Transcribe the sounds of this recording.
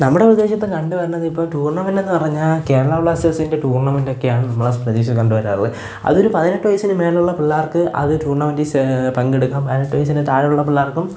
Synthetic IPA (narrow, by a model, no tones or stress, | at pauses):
nɐmːuɽe̞prɐd̪eːɕjɐt̪ːekɐɳɖuʋɐɾunːɐðipːoːlʈuːrɳɐmɐndenːɨpɐrɐɲːaːlke̞ːɾɐɭabɭaːsesinde̞ʈuːrɳɐmɐndo̞kːejaːɳɨnɐmːɐɭprɐd̪eːɕɐkɐɳɖɨʋɐɾa̰ːrlɨ̰ | ɐ̰ðo̞ɾupɐðineʈːɨʋɐjɐsinɨme̞ːluɭːɐpiɭːaːrkɨʔɐ̰ðɨtuːrɳɐmɐndispɐŋɡeɽukːaːmpɐðinɐʈːuʋɐjɐs̬indet̪aːɻɐuɭːɐpiɭːaːrkːum